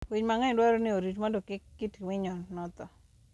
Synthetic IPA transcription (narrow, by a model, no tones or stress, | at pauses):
wiɲmaŋɛndwaɾonɪoɾitmɔdokɪitwiɲɔnɔt̪ɔ